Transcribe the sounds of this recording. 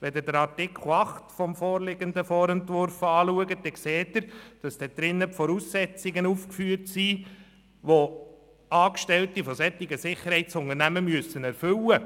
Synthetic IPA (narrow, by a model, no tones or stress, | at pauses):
ʋɛd̪ɪdəɾɑɾtɪkʰχl̩ɑχtfɔmfɔːɾlɪɡ̥ənd̪əfɔːɾɛntʋʊɾfɑːluəɡəd̥ɛkseːt̪ːəɾd̥ɑsd̥ɛd̪̥ɾɪnːəpfɔɾuːsːɛt͡sɪɡənuːfkfyːəɾtsiː | ʋo | ɑːkʃtɛltifɔsɛtːɪɡəsɪχəɾhɛɪtsʊŋəɾnæməmyəsənɛɾfʏlə